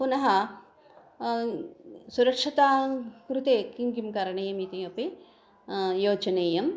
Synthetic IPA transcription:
punɐɦɐ | suɾɐkʂɐt̪aːkɾut̪eːkiŋɡimkaɾɐɳejɐmit̪iɐpi | joːd͡ʒɐneːjɐm

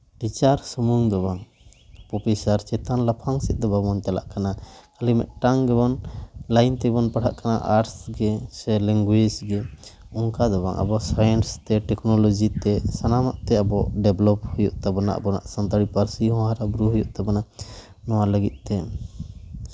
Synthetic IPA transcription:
b̥it͡ʃaɾsəmuŋd̪ɔbaŋ | pɔpisaɾt͡ʃɛt̪anlapʰaŋsɛt̪̚ˀd̪ɔbamɔntala̰ʔkanakalimɛ̰ʔ̪̚ʈaŋɡɛbɔnlajnt̪ɛbɔnpaɽ̤aʔkanaʔaʈsɡɛsɛlɛŋɡwed͡ʒɡɛɔŋkad̪ɔβaŋʔa̰bɔsajɛnst̪ɛʈɛknɔlɔd͡ʒit̪ɛsanamaʔt̪ɛabɔʔɖɛblɔp̚hujuʔt̪abana̰ʔbɔna̰ʔsant̪aɽipaɾsiɦɔ̃aɾabɾuɦujuʔt̪abanaʔ | nɔwaləɡit̪̚ˀt̪ɛ

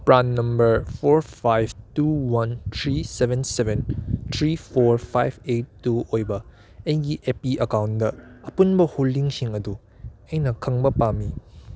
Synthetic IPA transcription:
pɾanːɐmbɐɾpʰoɾpʰajb̚tuwɐnt̪ʰɾisebʱensebent̪ʰɾipʰoɾpʰajb̚etːuojbɐ | ejɡiʔepiʔɐkawndɐɐpunbɐholdiŋsiŋɐdu | ejnɐkʰɐŋbɐpami

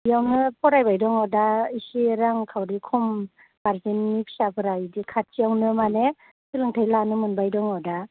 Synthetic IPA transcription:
jawnɯpʰɔɾajbajdɔŋawdaisiɾaŋkʰawdikʰɔm | baɾzinːipʰi̥sapʰɯɾajdikʰat̚sijawnɯmane | silɯŋtʰajlanɯmɯnbajdɔŋawda

